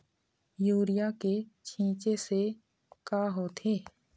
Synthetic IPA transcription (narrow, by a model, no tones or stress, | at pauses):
juːɾɪjaket͡ʃʰĩːt͡ʃese | kaːɦot̪ʰeː